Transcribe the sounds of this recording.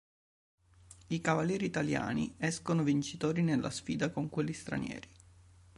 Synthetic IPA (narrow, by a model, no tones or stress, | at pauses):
ikavaljɛːɾiːt̪alja̰ːnḭɛskonovint͡ʃit̪oːɾinelːa̰sfiːd̪akoŋkwelːist̪ɾa̰njɛ̰ːɾi